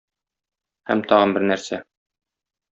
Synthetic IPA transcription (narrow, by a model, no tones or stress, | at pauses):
hæmt̪ʰɒʁɤ̆nbɘɾnæɾsæ